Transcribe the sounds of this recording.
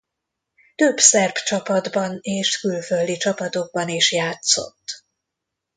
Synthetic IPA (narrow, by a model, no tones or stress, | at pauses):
t̪øbsɛrbt͡ʃɒpɒd̪bɒneːʃkylføld̪it͡ʃɒpɒt̪o̞ɡ̚bɒniʃjaːt̪so̞̰t̪ː